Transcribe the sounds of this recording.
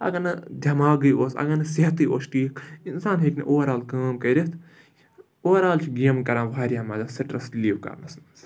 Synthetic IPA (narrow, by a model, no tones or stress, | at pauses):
ɐ̰ɡɐnɨd̪ʲʱɐmaːɡɐjoːsɐ̰ɡɐnɐsiɦɐt̪ɨo̰sʈiːkinsaːnɦeːknḭʔoːɾaːlkaːmkɐɾet̪ | oːɾaːlt͡ʃʰiɡiːmkɐɾãːʋaːɾʲjaːmaːzasɐʈɾɐsliːwkɐ̰ɾnɐsnɐs